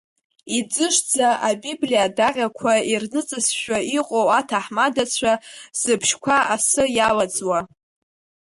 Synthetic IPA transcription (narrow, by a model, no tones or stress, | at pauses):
id͡zɨʂd͡zaʔabiblijadaqʲʼakʷʰairnɨt͡sʼɨsʃᶣaiqʼowatʰaħmadat͡sʷʰaz̥ɨpʰʃkʷʰaasɨjalad͡zwa